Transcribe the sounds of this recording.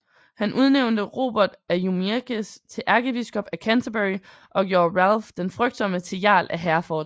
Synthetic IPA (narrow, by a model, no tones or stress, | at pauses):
hænʔuð̞ˠneʊnd̥əʁo̝̰ːb̥ɐd̥æjumeɡ̥əst͡sʰe̝ʔæɐɡ̥əb̥isɡ̥ɒ̽b̥ækʰænt͡sʰəb̥eʁi | ʔɒ̽ɡ̥jo̝ɐʁælfd̥enfʁœɡ̥̚d̥sɒ̽m̰ət͡sʰe̝jɑ̰̈ːlʔæɦæɐfɒːd̥